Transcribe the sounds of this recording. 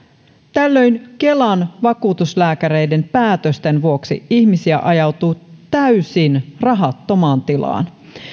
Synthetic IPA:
t̪ælːø̞jnke̞lɑnʋɑkuːt̪uslæːkæɾe̞jde̞mpæːt̪øst̪e̞nʋuo̞ksḭiçmisiæʔɑjɑwt̪uːt̪æysinrɑɦɑt̪ːo̞mɑːnt̪ilɑ̰ːn

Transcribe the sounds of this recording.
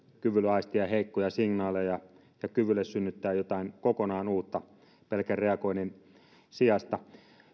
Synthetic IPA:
kyʋyløɑist̪iɑheikːojɑsiŋnɑːlejɑ | jɑkyʋylessynːyt̪ːæːjot̪ɑiŋkokonɑːnuːt̪ːɑ | pelkærreɑkoinin | siɑst̪ɑ

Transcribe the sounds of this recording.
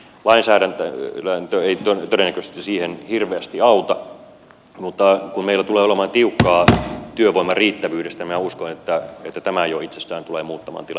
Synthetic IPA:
lɑinsæːɾænt̪ælænt̪øeit̪øt̪odenːækøsst̪isiːhenhirʋeæst̪iɑut̪ɑ | mut̪ːɑkunmeilːæt̪uleːolemɑːnt̪iukːɑːt̪yøʋoimˑɑriːt̪ːæʋyːɾest̪æminæuskoinet̪ːæḛt̪ːæt̪æmæjoit̪sest̪æːnt̪uleːmuːt̪ːɑmɑ̰ːt̪ilɑ̰

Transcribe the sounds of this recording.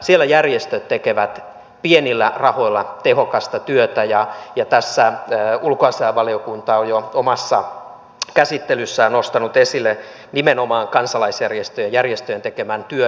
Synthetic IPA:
sielːˑæjærjest̪øt̪t̪ːekeʋæt̪ | pienilːærɑhoilːɑt̪ehokɑst̪ɑt̪yøt̪æjɑjɑt̪æsːæulkoɑseɑʋɑliokunt̪ɑojoomɑsːɑ | kæsit̪ːelysːænost̪ɑnut̪esilːe | nimenomɑːŋkɑnsɑlɑisjærjest̪øjɑjærjest̪øjønt̪ekemænt̪yø

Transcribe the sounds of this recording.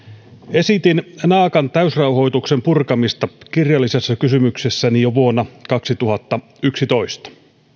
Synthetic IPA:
esit̪innɑːkɑnt̪æysrɑuwɦo̞jt̪ukse̞mpurkɑmist̪ɑkirjɑlːisesːɑkysymyksesːænijoʋuonːɑkɑksit̪uɦɑt̪ːɑ | yksit̪o̞ist̪ɑ̥

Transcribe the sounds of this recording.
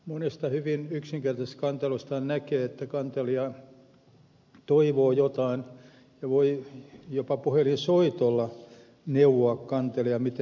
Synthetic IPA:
monest̪ɑhyʋinyksiŋkert̪ɑse̥t̪kɑnt̪elost̪ɑhɑnnækeːet̪ːækɑnt̪eliɑ | t̪oiʋoːjot̪ɑin | jɑʋoijopɑpuhelinsoit̪olːɑ | neuʋoɑkkɑnt̪eliɑmit̪e

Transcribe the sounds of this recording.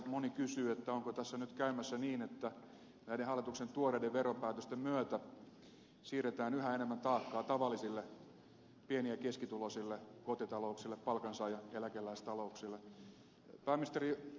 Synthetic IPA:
monikysyːet̪ːæoŋkot̪æsːænyt̪kæymæsːæniːnet̪ːæ | næidehɑlːˑit̪uksent̪uoreideʋʋeropæːt̪øst̪emmyøt̪æ | siːret̪æːnyhæenemːænt̪ɑːkːɑːt̪ɑʋɑlːˑisilːe | pieniækeskit̪ulosilːekot̪it̪ɑlouksilːeppɑlkɑnsɑjɑelækelːˑæist̪ɑlouksilːe | pæːminist̪eri

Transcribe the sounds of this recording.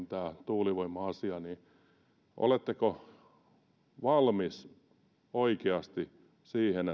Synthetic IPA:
t̪æːt̪uːliʋoimːɑɑsiɑni | ʔo̰let̪ːeko | ʋɑlmis | oikeɑst̪i | siːhene

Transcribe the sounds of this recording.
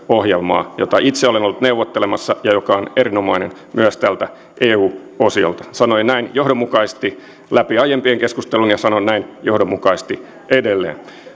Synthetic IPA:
ohjelmɑ̰ːjot̪ɑʔit̪seolenolːt̪neuʋːot̪ːelemɑsːɑjɑjokɑonerinomɑinḛn | myæst̪ælt̪æ | ʔeːuː | osiɑ̰lt̪ɑ̥sɑnoinnæinjohdomːukɑist̪i | læpiɑjempieŋkeskust̪elunjɑsɑnonnæinjohdomːukɑist̪i | edelːḛːn

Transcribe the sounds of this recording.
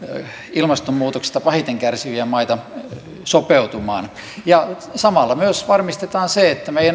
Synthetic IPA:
ilmɑst̪ommuːt̪oksi̥st̪ːɑpɑhit̪eŋkærsiʋiæmɑit̪ɑ | sopeut̪umɑ̰ːn | jɑ | sɑmɑlːɑmyøsʋɑrmist̪et̪ɑːnseet̪ːæmeijæ

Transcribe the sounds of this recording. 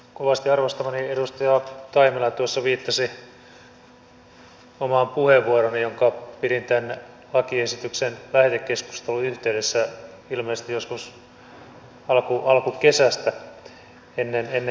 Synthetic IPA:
koʋɑst̪iɑrʋost̪ɑmɑniedust̪ɑjɑt̪ɑimelɑt̪uosːɑʋiːt̪ːɑsi | omɑmpuheʋːuoɾonijoŋkɑpiɾint̪æn | lɑkiesit̪yksenlæhet̪ekːesku̥st̪eluyht̪eydesːæ | ilmeisest̪ijo̞skus | ɑlkuʔɑlkukesæst̪æ | enːenenː

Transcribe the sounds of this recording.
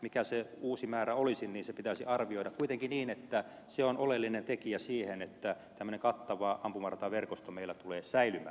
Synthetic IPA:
mikæseuːsimæːræolisiniːnsepit̪æsḭʔɑrʋioiɾɑkkuit̪eŋkiniːnet̪ːæ | seonolelːinent̪ekiæsiːhenet̪ːæt̪æmːø̆neŋkɑt̪ːɑʋɑɑmpumɑrt̪ɑʋerkost̪omeilːæt̪uleːsæilymæ̰

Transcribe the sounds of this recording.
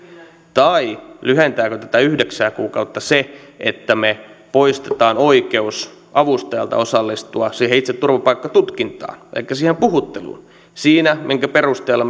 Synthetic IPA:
t̪ɑilyhent̪æːkøt̪æt̪æyhdeksæːkuːkɑut̪ːɑseʔet̪ːæmepoist̪et̪ɑːnoikeus | ʔɑʋust̪ɑjɑ̰lt̪ɑ̰osɑlːist̪uɑsiːheit̪set̪t̪ːurʋɑpɑikːɑt̪ut̪kint̪ɑ̰ːnḛikːæsiːhempuhut̪ːelṵːn | siːnæmʔiŋkæperust̪eːlːɑ

